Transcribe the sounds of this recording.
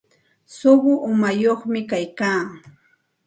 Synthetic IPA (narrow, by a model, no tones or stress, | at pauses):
sʊɢʊʔʊmajoχmɪkajkaː